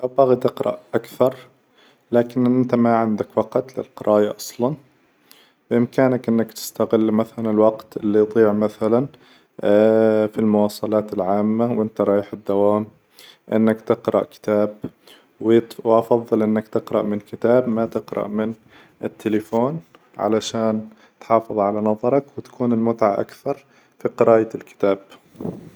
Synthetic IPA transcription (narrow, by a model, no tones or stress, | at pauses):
ʔabaɣt̪ɪqɾˤɑ̰ʔʔakθɑɾˤ | laːkɪnɪnt̪amaʕɪnd̪akwɑqt̪lɪ̰lqɑɾˤʔɑːjaʔɑsˤlɑn | bɪʔɪmkaːnakʔɪnːakt̪ɪ̥st̪aɣɪlːmaθalanɪlwɑqt̪ʔɪlːid̪ˤiːʕmaθalan | filmʊwɑːsˤɑlɑːt̪ɪlʕaːmːawʔɪnt̪aɾˤɑːjħɪd̪ːawaːm | ʔɪ̰nːakt̪ɪqɾɑ̰ʔkɪ̥t̪aːb̚ | wwʔɑfɑðˤːɨlʔɪnːakt̪ɪqɾɑ̰ʔmɪnkɪt̪aːbmat̪ɪqɾɑ̰ʔmɪn | ʔɪt̪ʰːɪlɪfoːn | ʕa̰laʃaːn | t̪ħɑːfɨðˤʕalanɑðˤɑɾˤɑkwɪt̪ḁkʰuːnɪlmʊt̪ʕaʔa̰kθɑɾˤ | fiqɨɾaːjaɪlkɪ̥t̪aːb̥̚